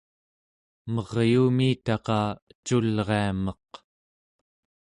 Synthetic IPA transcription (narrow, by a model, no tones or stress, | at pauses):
mʌʁjuːmiːt̪ɑqɑːət͡ʃulʁe̞amʌq